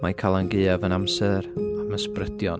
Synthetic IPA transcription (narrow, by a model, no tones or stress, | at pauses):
majkʰalˠanɡeːavənamsɛɾaməsprədjɔn